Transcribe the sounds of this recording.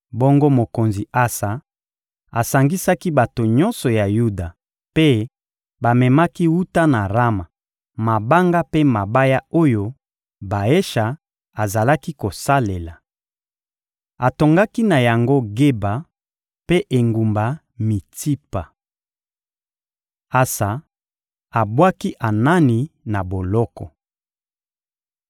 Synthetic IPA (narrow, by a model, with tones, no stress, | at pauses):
bɔ˦ŋɡo˦mo˨ko˨nzi˨a˦sa˨ | a˨sa˨ŋɡi˦sa˦ki˦ba˨to˨ɲɔ̃˦nsɔ˨ja˨ju˦da˨ | pe˦ | ba˨mɛ˨ma˦ki˦wu˦ta˦na˨ʁa˦ma˨ | ma˨ba˦ŋɡa˦pe˦ma˨ba˦ja˦o˦jo˦ | ba˨e˦ʃa˨ | a˨za˨la˦ki˦ko˨sa˦le˨la˨ | a˨to˨ŋɡa˦ki˦na˨ja˨ŋɡo˦ɡe˦ba˨ | pe˦ʔe˨ŋɡu˨mba˨ | mi˨ti˦pa˨ | a˨sa˨ | a˨bwa˦ki˦ʔa˨na˦ni˨na˨bo˨lɔ˦kɔ˨